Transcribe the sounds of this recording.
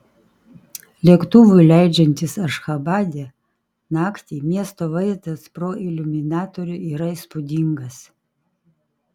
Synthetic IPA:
lʲiɛkt̪uʋʊjlʲæɪd͡ʒʲɛnʲt̪ʲɪsɐʃxɐbɑːd̪ʲɛ | nɑːkt̪ʲiːmʲiɛst̪oːʋɐɪzt̪ɐspɾoːʔɪlʲʊmʲɪnɑːt̪oɾʲʊiːɾɐispʊd̪ʲɪŋɡɐs

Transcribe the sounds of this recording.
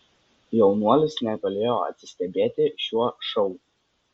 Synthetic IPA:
jɛʊnuɔlʲɪsnʲɛɡɐlʲeːjoːɐ̰t̪ʲsʲɪ̥sʲt̪ʲɛbʲeːt̪ʲɪʃʲuɔʃɔʊ

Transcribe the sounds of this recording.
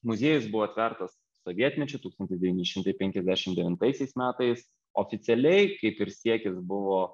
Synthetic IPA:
mʊzʲiɛjʊsbʊʋoːɐt̪ʲʋʲɛɾt̪ɐs | soʋʲiɛt̪ʲnʲɛt͡ʃʲɛt̪uːkst̪ɐnt̪ʲɪsd̪ʲɛʋʲiːnʲɛʃʲɪmt̪ɐɪpʲɛŋʲkʲɛzʲdʲæːʃʲɪmd̪ʲɛʋʲɪnt̪ɐɪsʲɛɪsmʲæːt̪ɐɪs | oːfʲɪt̪sʲɛlʲɛɪkɐɪpɪɾsʲiɛkʲɪsbʊʋoː

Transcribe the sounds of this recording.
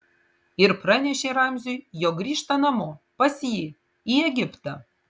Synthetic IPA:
ɪɾprɐnʲɛʃʲeːɾamʲzʲujjoɡɾʲiːʃt̪ɐnɐmoːpɐsji | iɛɡʲɪpt̪ɐ

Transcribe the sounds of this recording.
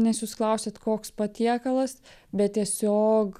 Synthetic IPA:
nʲɛsjuːsklˠɐʊsʲɛt̪koːkspɐt̪ʲiɛkɐlˠɐsbʲɛt̪̚t̪ʲiɛsʲoːk

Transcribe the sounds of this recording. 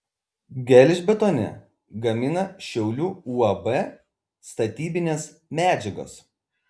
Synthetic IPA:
ɡʲɛlʲɪʒʲbʲɛt̪oːnʲɛ̰ | ɡɐmʲɪnɐʃʲɛʊlʲuːuːɐbɛ | st̪ɐt̪ʲiːbʲɪnʲeːs | mʲæːd͡ʒʲɛɡo̰ːs

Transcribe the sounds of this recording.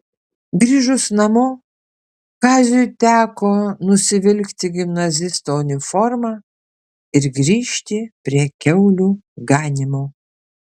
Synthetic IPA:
ɡɾʲiːʒʊsnɐmʊ | kɑːzʲʊjt̪ʲæːkoːnʊsʲɪʋʲɪlʲkt̪ʲɪɡʲɪmnɐzʲɪst̪oːʊnʲɪfɔɾmɑː | ɪɾɡɾʲiːʃʲt̪ʲɪpʲɾʲiɛkʲɛʊlʲuː | ɡɑːnʲɪmoː

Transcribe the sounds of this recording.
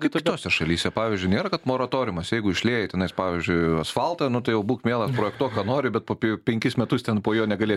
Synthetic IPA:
kɐɪpʲɪt̪oːsʲɛʃɐlʲiːsʲɛpɑːʋʲizʲd͡ʒʲʊɪnʲeːɾɐkɐt̪moːɾɐt̪oːɾʲʊmɐsjɛɪɡʊɪʃʲlʲeːjɛtʲɛnɐɪspɑːʋʲɪzʲd͡ʒʲʊɪɐsfɐlˠt̪ɐnʊt̪ɐɪjɛʊbuːkmʲeːlˠɐspɾoːjɛkt̪uɔkkɑːnoːɾʲɪbʲɛt̪poːpʲpʲɛŋʲkʲɪsmʲɛt̪ʊst̪ʲɛnpoːjoːnʲɛɡɐlʲeːs

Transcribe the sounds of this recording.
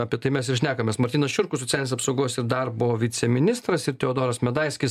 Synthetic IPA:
ɐpʲiɛt̪ɐɪmʲɛsɪɾʃʲnʲæːkɐmʲeːsmɐɾʲt̪ʲiːnɐsʃʲʊɾkʊsot̪t͡sʲæːlʲnʲeːsɐp̪soʊɡoːsɪɾd̪ɐrp̚booːʋʲɪt̪t͡s̪ʲɛmʲɪnʲɪst̪ɾɐsɪɾt̪ʲɛoːd̪oːɾɐsmʲɛd̪ɐɪsʲkʲɪs

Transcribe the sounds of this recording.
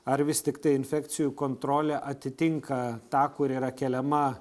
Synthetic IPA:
ɐɾʋʲɪst̪ʲɪkt̪ɐɪɪnʲfʲækt̪sʲɪjukoːnt̪ɾoːlʲɛʔɐt̪ʲɪt̪ʲɪŋkɐt̪ɑːkʊɾiːɾɐkʲɛlʲɛmɐ

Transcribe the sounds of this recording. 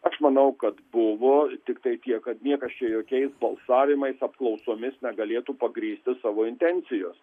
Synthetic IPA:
ɐʃmɐnɐʊkɐt̪bʊʋoːt̪ʲɪkt̪ɐɪt̪ʲiɛkɐt̪nʲiɛkɐst͡ʃʲɛjoːkʲɛɪsbɐlˠsɑːʋʲɪmɐɪsɐpklˠɐʊsoːmʲɪsnʲɛɡɐlʲeːt̪uːpɐɡɾʲiːsʲt̪ʲɪsɑːʋoːɪnʲt̪ʲɛnʲt͡ssʲɪjoːs

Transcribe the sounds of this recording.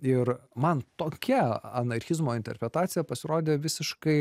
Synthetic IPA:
ɪɾmɐnt̪oːkʲɛɐnɐɾʲxʲɪzmoːɪnt̪ʲɛ̰ɾʲpʲɾʲɛt̪ɑːt̪sʲɪjɛpɐsʲɪɾoːd̪ʲeːʋʲɪsʲɪʃkɐɪ

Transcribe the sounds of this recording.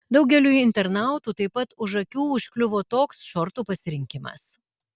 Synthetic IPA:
d̪ɒʊɡʲɛlʲuːɪnʲt̪ʲɛɾnɑˑʊt̪uːt̪ɐɪpːɐt̪ʊʃɐkʲuːʊʃʲkʲlʲʊʋoːt̪oːksʃɔɾt̪uːpɐsʲɪɾʲɪŋʲkʲɪmɐ̰s

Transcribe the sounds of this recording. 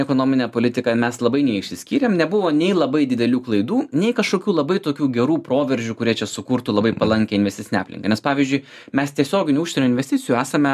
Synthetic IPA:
ɛkoːnoːmʲɪnʲɛːpoːlʲɪt̪ʲɪkɐmʲɛslˠɐbɐɪnʲɛɪɪʃʲsʲɪsʲkʲiːɾʲemnʲɛbʊʋoːnʲɛɪlˠɐbɐɪd̪ʲɪd̪ʲɛlʲuːklˠɐɪd̪uːnʲɛɪkɐʃkoːkʲuːlˠɐbɐɪt̪oːkʲuːɡʲɛɾuːpɾoːʋʲɛɾʲʒʲuːkʊɾʲiɛt͡ʃʲɛsʊkʊɾt̪uːlˠɐbɐɪpɐlˠɐŋʲkʲɛɪnʋʲɛst̪ʲɪtsʲɪnʲɑ̰ːplʲɪ̰ŋkɐnʲɛspɑːʋʲiːzʲd͡ʒʲʊɪ | mʲɛst̪ʲiɛsʲoːɡʲɪnʲuʊʃʲsʲɛnʲuːɪnʲʋʲɛsʲt̪ʲɪtt͡s̪ʲɪjuːæːsɐmʲɛ

